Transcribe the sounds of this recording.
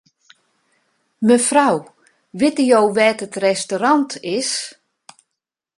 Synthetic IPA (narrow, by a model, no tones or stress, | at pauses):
məfraw | ʋɪtəjowʋɛːtətrɛstoɾɑntɪs